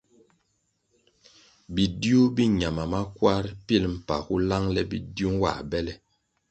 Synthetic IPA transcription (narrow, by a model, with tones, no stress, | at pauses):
bi˨di˦u˦bi˦ɲa˨ma˨ma˦kwa˦ɾpi˦lm̩˨pa˨hu˦la˦ŋlɛ˦bḭ˦di˦u˦ŋwa̰˨bɛ˦lɛ˨